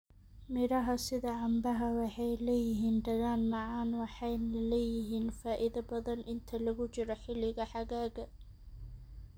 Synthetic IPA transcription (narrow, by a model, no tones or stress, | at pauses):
mɪɾɐɦɐsɪðɐʕɑmbɐɦɐwɑħɑjlɛːjɪɦiːnd̪ɐɣaːnmɑʕɑːnwɑħɑjnɐlɛːjɪɦiːnfaːʔɪðɐbɐðɐnʔɪnt̪ʰɐlɐɣʊt͡ʃɪɾɔħɪlɪɣɐħɑɣaːɣɐ